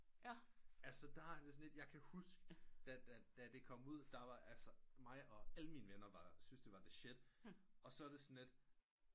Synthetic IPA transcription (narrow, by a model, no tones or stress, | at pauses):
ælsəd̥ɑæɐd̥e̝sɔnle̝d̥jɑ̈ɪkʰæhusɡ̥əd̥æd̥æd̥æd̥e̝kʰɒ̽m̰uð̞̰ˠd̥ɑ̈ʋɑ̈ʔælsɒmɑ̈ɪɒ̽æləmiːnəʋenɐʋɑ̈synsd̥e̝ʋɑ̈d̥e̝ɕed̥ɒ̽sɒ̽æɐd̥e̝sɔ̽nle̝d̥